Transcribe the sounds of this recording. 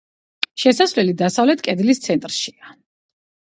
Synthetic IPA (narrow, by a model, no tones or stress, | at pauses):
ʃɛsasvlɛlid̪asavlɛt̪ʰkʼɛd̪list̪sʰɛnt̪ʼɾʃia